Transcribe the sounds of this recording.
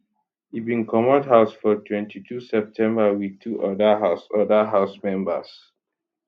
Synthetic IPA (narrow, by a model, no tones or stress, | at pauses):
hibĩnkɔmɔdɦaʊsfɔtʰwɛ̃ntʰitʰusɛp̚tʰɛ̃mbawitʰuʔɔdaɦasɔdəɦaʊsmɛ̃mbə̰s